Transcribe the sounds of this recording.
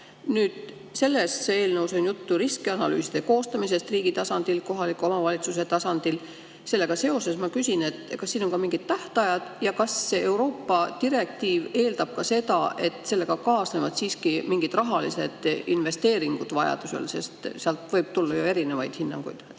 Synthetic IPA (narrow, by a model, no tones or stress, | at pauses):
nyːd̪̥ | se̞lːessee̞ːlnəwso̞njut̪ːuɾiskeɑnɑly̰ːsid̪eko̞ːst̪ɑmis̬e̞st̪riːɡ̥it̪ɑsɑnd̪̥ilko̞ɦɑlikːˑuo̞mɑvɑlʲit̪sus̬e̞t̪ɑsɑnd̪̥il | se̞lːe̞ɡ̥ɑse̞o̞se̞smɑkysʲine̞t̪ːkɑsːiːno̞ŋkɑmiŋɡ̥id̪̥t̪æht̪ɑjɑd̪̥jɑkɑsːeewɾo̞ːpːɑt̪iɾe̞k̚t̪iːve̞ːld̪̥ɑb̥̚kɑse̞t̪ɑ̰e̞t̪se̞lːe̞ɡ̥ɑkɑːsnevɑd̪̥siːskimiŋɡ̥it̪rɑɦɑlise̞d̪̥inve̞st̪e̞ːɾiŋɡ̥ud̪̥vɑjɑ̰d̪̥use̞̰lse̞st̪seɑlt̪vɤ̞jb̥̚t̪ulːɑjoe̞ɾine̞vɑjd̪̥hinːɑ̰ŋɡ̥ujd̪̥